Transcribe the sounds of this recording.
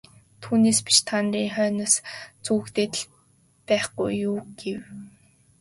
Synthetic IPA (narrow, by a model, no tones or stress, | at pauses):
t̪ʰuːneːspi̥ʃt̪ʰanriːŋχœːnɔ̆st͡suɣɘ̆kt̪eːt̪ə̆ɮ | pæːχɡṵjːuːɡ̥ew